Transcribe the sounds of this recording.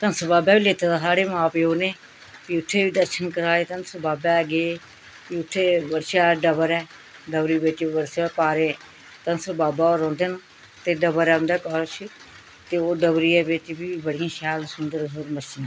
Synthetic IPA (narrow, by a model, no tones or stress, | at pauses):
t̪ənsəbaːbɛːbiːleːt̪aːd̪aːsaːɽeːmãːpeoːneː | piːʊt̪ʰːeːbiːd̪əɾʃənkəɾaːeːt̪ənsəɾbaːbɛːəɡeː | piʊt̪ʰːeːbəɾʃaːɖəbəɾɛː | ɖəbɾiːbeːʈiʋəɾsaːpaːɾẽː | t̪ənsəɾbaːbaːoːɾɔ̃ːnd̪eːn | t̪eːɖəbəɾɛːʊnd̪ɛːkɔɾt͡ʃʰi | t̪eːoːɖəbɾiːɛːbeːʈibiːbəɽɪjãːʃaːlsʊnd̪əɾəɾmət͡ʃən